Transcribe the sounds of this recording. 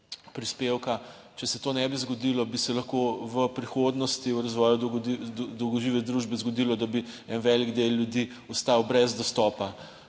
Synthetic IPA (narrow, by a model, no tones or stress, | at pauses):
pɾispewka | t͡ʃɛsɛt̪oːnɛbizɡɔd̪ilɔbisɛlɐxkoʋəpɾixod̪nɔst̪iwɾazʋɔːjud̪id̪ɔwɡɔʒiːʋɛd̪ɾuʒbɛzɡɔd̪ilɔd̪abi | ɛnʋɛliɡd̪eljud̪i | ust̪awbɾɛzd̪ɔst̪ɔːpa